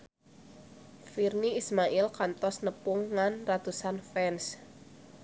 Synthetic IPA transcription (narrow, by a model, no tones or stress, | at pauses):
firniismaʔɪlkant̪ɔsnəpʊŋːanrat̪usanfɛns